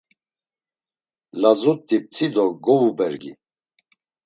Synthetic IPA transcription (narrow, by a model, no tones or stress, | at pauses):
lazut̪ʼːip̚t͡sʰʼid̪ɔɡɔvubɛɾɡḭ